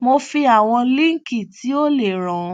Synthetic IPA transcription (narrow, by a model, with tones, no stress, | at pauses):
mo˧fi˧a˨w̃ɔ̃˧lĩ˦ŋ˦ki˦˨tʰi˨˦o˦le˦˨ɾ̃ã˨˧˦